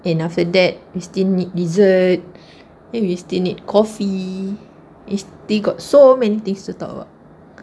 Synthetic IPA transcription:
ɛ̃naftədɛt̚wistilnit̚ɹizət̚ | ɛ̃nwistilnid̚kʰɔfi | istilɡɔt̚somɛ̃nit̪ĩŋstutɔ̰kə̰ba̰ʊt̚

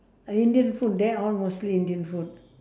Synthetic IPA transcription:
əĩndiə̃nfut̚dɛɔlmostliĩndiə̃nfut̚

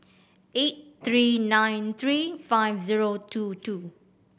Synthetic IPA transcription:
ʔet̚t̪ɹiːnãjnt̪ʰɹiːfajvziɹotʰutʰu

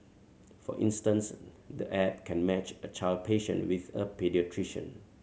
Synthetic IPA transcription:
fɔ̰ʔḭ̃nstə̃ns | d̪əʔɛp̚kʰɛ̃nmɛt͡ʃət͡ʃaɪld̚pʰeʃə̰̃nwiθəpɛdiətʰɹiʃə̰̃n

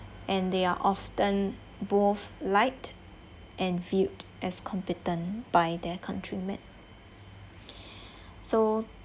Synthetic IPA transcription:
ʔɛ̃ndeaʔɔftə̃n | boθlaɪt | ʔɛ̃nvjutʔɛskʰɔ̃mpɛtə̃nb̥ajd̪ɛkʰãntʰɹimɛ̰̃n | so

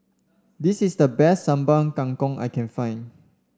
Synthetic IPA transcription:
disisdəbɛstːãmbãŋkãŋkɔ̃ŋa̰jkɛ̃nfãj̃n

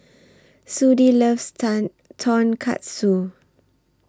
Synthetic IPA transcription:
sudilɛfstan | tʰɔ̃nkʰa̰t̚su

